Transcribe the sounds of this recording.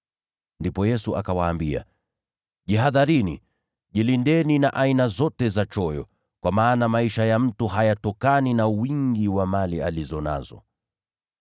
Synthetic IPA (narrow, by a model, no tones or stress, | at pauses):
ndipɔjɛsuakawaːmbia̰ | ʄiɦaðaɾinḭ | ʄilindɛninaʔainazɔtɛzat͡ʃɔjɔ | kwamaːnamaiʃajam̩tuɦajatɔkaninawiŋɡiwamalializɔna̰zɔ̰